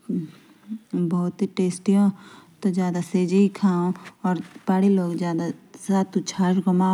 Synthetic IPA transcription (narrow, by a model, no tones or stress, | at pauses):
bɔːt̪iʈeːsʈijõt̪od͡ʒjaːd̪aseːd͡ʒikʰaːõɔːɾpaːɽiloːɡd͡ʒjaːd̪asaːt̪ut͡ʃʰaːʃɡɐmaː